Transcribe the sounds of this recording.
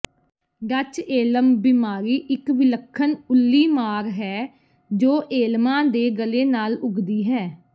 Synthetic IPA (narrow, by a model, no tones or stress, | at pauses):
ɖət͡ʃeːləmbɪmaːɾiːʔɪkʋɪləkʰːənʊlːiːmaːɾɦɛː | d͡ʒoːʔeːlmãːd̪eːɡəleːnaːlʊɡd̪iːɦɛː